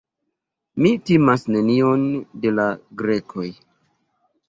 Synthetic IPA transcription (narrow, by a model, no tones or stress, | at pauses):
mitimasne̞nio̞nde̞laɡɾe̞kʰo̞j